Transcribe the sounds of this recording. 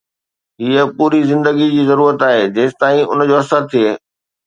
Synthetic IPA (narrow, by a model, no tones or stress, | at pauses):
ɦiːəpuːɾizɪ̃nd̪əɡid͡ʑiːzɐɾuːɾət̪aːɦeːd͡ʑeːst̪aːĩʊ̰nd͡ʑoːɦɐsəɾt̪ʰieː